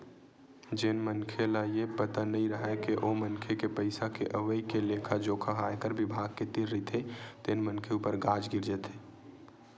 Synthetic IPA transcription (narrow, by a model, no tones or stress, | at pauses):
d͡ʒenmənkʰelaepət̪anəĩɾəɦɛkeʔomənkʰekepəɪsakeʔəʋəikeleːkʰad͡ʒoːkʰaɦajkəɾbɪbʱaɡ̚ket̪iɾːit̪ɦet̪eːnmənkʰeuːpəɾɡad͡ʒɡɪɾd͡ʒɛt̪ɦe